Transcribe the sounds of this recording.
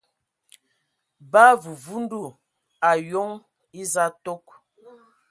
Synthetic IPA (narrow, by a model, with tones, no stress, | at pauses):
ba˦vu˨vu˦n˦du˦˨ | a˨jo˦ŋ | i˦za˦to˦k̚